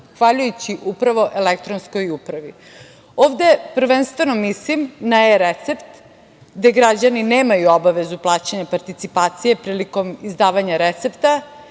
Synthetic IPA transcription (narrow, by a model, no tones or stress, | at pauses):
xʋaʎujut͡ɕiʔupɾaʋo̞ʔelek̚t̪ɾonsko̞jupɾaʋi | oːʋd̪e̞pɾ̩ʋenst̪ʋe̞no̞mislimnajeɾet̪se̞pt̪ | ɡd̪eɡɾad͡ʑanineːmajuobaʋe̞zuplˠaːt͡ɕaɲapaɾt̪it̪sipaːt̪sije̞pɾiːliko̞mizd̪aːʋaɲaɾet̪se̞pt̪a